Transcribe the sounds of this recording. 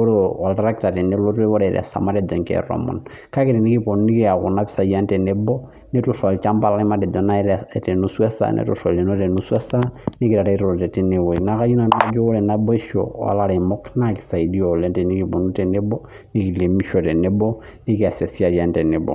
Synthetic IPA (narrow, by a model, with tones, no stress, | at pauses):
o˦ɾoa˨lta˦ɾa˦ki˨ta˨tɛ˨nɛ˦lo˦tɛ˦βɔ˦ɾɛ˨ɾɛ̰˨sa̰˨ma˦dɛ˨dɔ˨ŋkɛ̰rɔ̰˨mɔ̰˨n | ka˦kɛtɛ˨ni˦ki˦po˨nu˦ni˦ki˦a˨ku˨na˦pi̥˦sa˨i˦a˦n˦tɛ˨nɛ˦bɔ˦ | nɛ˦tu˦sɔ˨a˨lt͡ʃa˦mba˦la˦i˦ma˦dɛ˨dɔ˨na˦ɛɾɛtɛ˨nu˦swɛ˦sa̰˨nʔɛ̰˨tu˨sɔ˨le˨nɔ˦tɛ˨nu˦swɛ˦sa˦ni˦ki˨ɾa˨ɾa˦ɾɔɾɔ˨tɛ˨tɛ˦ne˨wɔ˨ina˦ka˦ju˦na˦na˦d͡ʒɔ˦ɔ˦ɾɛ˨na˦bɔ˦ɛ˦ʃɔ̰˨a̰˨la˨ɾɛ˨mɔ˦kna˦ki̥sa˨i˨di˦ɔ˨lɛ˦ntɛ˨ni˦ki˨pɔ˨nu˦tɛ˨nɛ˦bɔ˦ | ni˦ki˨le˨mi˦ʃɔ˨tɛ˨nɛ˦bɔ˦ | ni˦ki˦a˨sɛ˨si˦a˨i˨a˦ntɛ˨nɛ˨bɔ̰˨